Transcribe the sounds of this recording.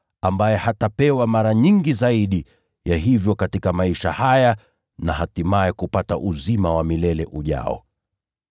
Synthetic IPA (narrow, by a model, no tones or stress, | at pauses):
ambajɛhatapɛwamaɾaɲiŋɡizaiɗi | jaɦivjɔkatikamaiʃahaja | nahatimaɛkupataʔuzimawamilɛlɛʔuʄa̰ɔ̰